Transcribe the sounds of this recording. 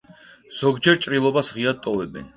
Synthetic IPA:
z̥ɔɡd͡ʒɛɾt͡ʃʼɾilˠɔbasʁiad̪̚t̪ʼɔvɛbɛ̰n

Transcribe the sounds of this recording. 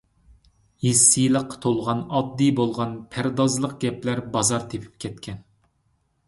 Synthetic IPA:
jisːijləqːt̪ʰolˠʁɑnɑd̪ːijbolˠʁɑnpʰæɾd̪ɑzlˠəq̚ɡ̥ʲɛplæɾbɑzɑɾt̪ʰepʰy̥p̚kʲʰɛt̪̚kʲʰɛn

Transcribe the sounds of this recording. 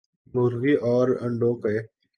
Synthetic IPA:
mʊɾɣiːʔɔːɾə̰̃ɳɖoːkeː

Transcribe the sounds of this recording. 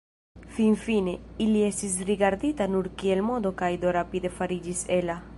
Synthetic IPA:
finfine̞ilie̞st̪is̬ɾiɡaɾd̪it̪anuɾkielmo̞d̪okajd̪oɾapid̪e̞faɾid͡ʒisela

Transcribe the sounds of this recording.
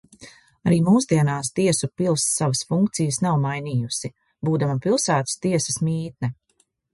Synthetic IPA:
aɾiːmuːzd̪iɛnaːst̪iɛsupilˠsːavɐsfuŋkt̪sijəsnawmajniːjusi | buːd̪amapilˠsaːt̪ə̥st̪iɛsə̥smiːt̪̚nɛ

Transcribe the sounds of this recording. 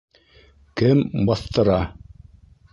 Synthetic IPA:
kɘmbɑθt̪ɤ̆ɾɑ

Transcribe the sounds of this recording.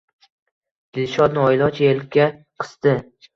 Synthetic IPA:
d̪̥ɪlʃɒt̪nɒjlˠɒt͡ʃʰjelkʲːa | qʰɨ̥st̪ɪ

